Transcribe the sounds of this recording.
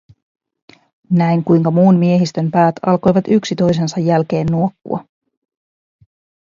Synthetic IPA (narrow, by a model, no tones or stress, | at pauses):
næjŋkujŋkɑmuːnmie̞ɦist̪ø̞mpæːt̪ʰɑ̰lko̞jʋɑt̪yksit̪o̞jse̞nsɑjːælk̟e̞ːnːuokːṵɑ̰